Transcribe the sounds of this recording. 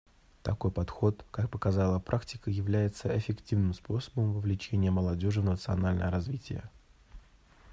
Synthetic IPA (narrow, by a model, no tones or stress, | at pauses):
t̪ɐko̞jpɐt̪xo̞t̪kak̚pəkɐzalˠəpɾʔaktʲɪ̥kəjɪvlʲæjɪt̪səɪfʲɪktʲivnɨmspo̞sə̥bəmvəvlʲɪt͡ɕenʲɪjəməlˠɐdʲo̞ʐɨvnət̪sɨɐnalʲnə̰jəɾɐzvʲitʲɪ̰jə̰